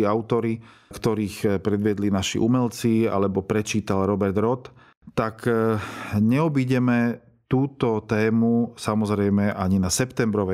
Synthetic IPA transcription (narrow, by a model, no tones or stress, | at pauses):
iaʊt̪ɔɾikt̪ɔɾiːxpɾɛd̪ʋɪɛd̪linaʃḭʔumɛlt͡sia̰lɛbɔpɾɛt͡ʃiːt̪alɾɔbɛɾd̪ɾɔt̪ | t̪ak | ɲɛɔbiɟɛmɛ | t̪uːt̪ɔt̪ɛːmusamɔzɾɛjmɛʔaɲinasɛpt̪ɛmbɾɔʋɛ